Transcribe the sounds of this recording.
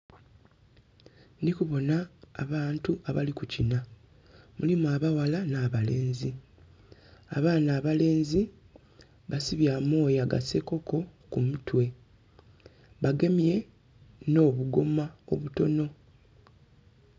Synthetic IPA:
nikuβo̞naːβaːntuaβa̰likucina | mulimuaβawalanaːβale̞ːnzi | a̰βaːnaːβale̞ːnzi | βasiβjaːmo̞ːjaɡa̰se̞ko̞ko̞kumutwe̞ | βaɡe̞mije̞ | no̞ːβuɡo̞mao̞̰βuto̞no̞

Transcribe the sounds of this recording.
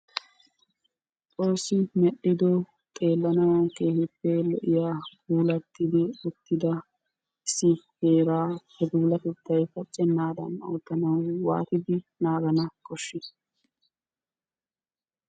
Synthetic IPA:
tʼoːsɪmɛɗɪd̪ɔ | t̪ʼe̞ːlːɐnɐwɐŋkeːhɪpːɛlɔʔɪjaːɡuːlɐt̪ːɪd̪ɪʊt̪ːɪd̪ɐ | ɪsːɪheːɾaːhɛbuːlɐt̪ɛt̪ːɐjfɐt͡ʃʼːɛnːaːd̪ɐ̰noːt̪ːɐnɐwːa̰ːt̪ɪd̪ɪnaːɡɐnɐkɔʃːɪ

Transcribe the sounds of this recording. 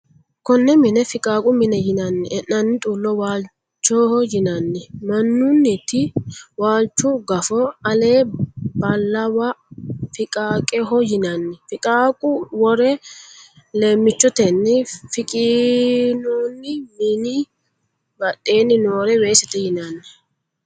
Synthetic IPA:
kɔnːɛmɪnɛfɪkʼaːkʼʊmɪnɛjɪnɐnːɪɛnːɐnːɪt̪ʼuːlːɔwaːl | t͡ʃːɔhɔjɪnɐnːɪmɐnːʊnːɪt̪ɪwaːlt͡ʃːʊɡɐfɔɐleːbɐlːɐwɐfɪkʼaːkʼɛɦɔjɪnɐnːɪfɪkʼaːkʼʊwɔɾɛ | le̞ːmːɪt͡ʃːɔt̪ɛnːɪfɪkʼɪ | nuːnːɪmɪnɪ | bɐɗe̞ːnɪnoːɾɛweːsɛt̪ɛjɪnɐnːɪ

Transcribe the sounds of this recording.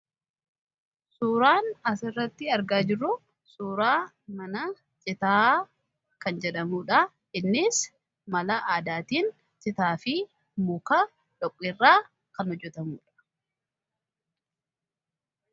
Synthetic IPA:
suːɾaːnɐsɪrːɐt̪ːɪɐɾɡaːd͡ʒɪrːʊ | suːɾaː | mɐnɐ | t͡ʃʼɪt̪aː | kɐnd͡ʒɛᶑɐmuːᶑɐ | ɪnːɪs | mɐlɐʔaːd̪aːt̪iːn | t͡ʃɪt̪aːfɪ | mʊkɐ | ᶑɔkʼːɪrːaː | kɐnhɔd͡ʒːɛt̪ɐmṵːᶑɐ̥

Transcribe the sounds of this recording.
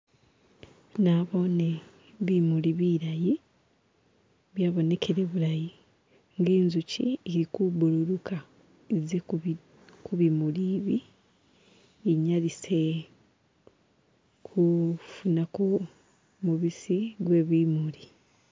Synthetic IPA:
naβo̞ːne | βimuliβiɾaji | βjaːβo̞ne̞kʰe̞ɾe̞βuɾaji | ŋɡeːnzucḭiɾikuβuluɾuka | ize | kuβimuliːβi | ɲalise | kʰufunako | muβisiɡweːβimuli

